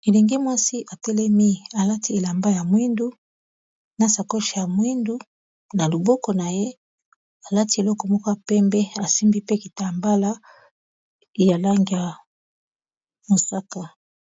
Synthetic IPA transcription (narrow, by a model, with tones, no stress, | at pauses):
e˨li˨ŋɡi˦mwa˦si˦ʔa˨tɛ˦lɛ˦mi˦a˨la˦ti˦e˨la˨mba˦ja˨mwi˦ndu˦ | na˨sa˨ko˦ʃa˨ja˨mwi˦ndu˦ | na˨lo˨bɔ˦kɔ˨na˨je˦ | a˨la˦ti˦e˨lɔ˦kɔ˨mɔ˦kɔ˦ja˨pɛ˦mbɛ˦a˨si˦mbi˦pe˦ki˨ta˨mba˦la˦ | ja˨la˦ŋɡi˨a˨ | mo˨sa˦ka˨